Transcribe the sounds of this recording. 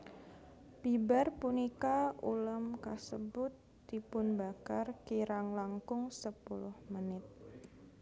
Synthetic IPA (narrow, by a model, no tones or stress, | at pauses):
bibarpunikauləmkasəbʊt̪ːipʊnbakarkiɾaŋlaŋkʊŋsəpulʊhmənɪt̪̚